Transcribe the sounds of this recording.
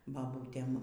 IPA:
ˈbɑːbuːtʲɛm

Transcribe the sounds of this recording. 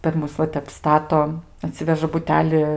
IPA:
pʲɛr ˈmʊs ʋɐ ˈtʲɛp ˈstɑːtoː ɐˈtʲsʲɪʋʲɛʒɐ bʊˈtʲæːlʲɪ

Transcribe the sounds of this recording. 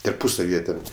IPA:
tɐrˈpʊsɐw ˈjiɛ tʲɛn

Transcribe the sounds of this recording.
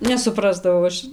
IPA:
nʲɛsʊˈprɑːzdɐʋɐʊ ˈɐʃ

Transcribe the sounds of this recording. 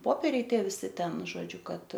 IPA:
ˈpoːpʲeːrʲɛɪ ˈtʲiɛ ʋʲɪˈsʲɪ ˈtʲɛn ʒoːˈd͡ʒʲʊ ˈkɐt

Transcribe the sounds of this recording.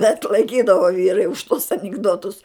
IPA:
bʲɛt lˠɐɪˈkʲiːdɐʋoː ˈʋʲiːrɐɪ ʊʃ tuɔs ɐnʲɪɡˈdoːtʊs

